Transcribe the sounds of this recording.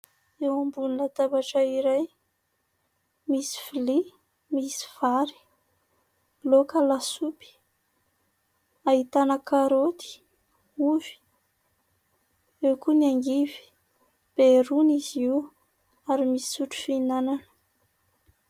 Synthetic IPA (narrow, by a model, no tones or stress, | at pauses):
ewambunilat̪abaʈ͡ʂəiɾaj | misi̥fili | misi̥v̥aɾi̥ | lokalasupi̥ | aɦit̪anəkaɾot̪i̥ | uvi̥ | ewkuniaŋɡivi̥ | b̥eɾuniziw | aɾimisi̥suʈ͡ʂu̥finananə̥